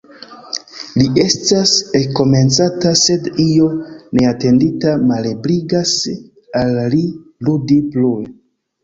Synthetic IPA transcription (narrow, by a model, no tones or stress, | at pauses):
lie̞stasekːo̞me̞nt͡satase̞dijo̞ne̞ate̞nditamalebɾiɡas | alliludipluj